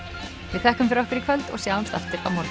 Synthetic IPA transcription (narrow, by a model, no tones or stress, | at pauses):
vɪðθɛhkʏmfɪɾɔhkʏɾikʰvœlt̪ɔ̰ɣsjaːwḁst̪aft̪ɪɾa̰wmɔɾ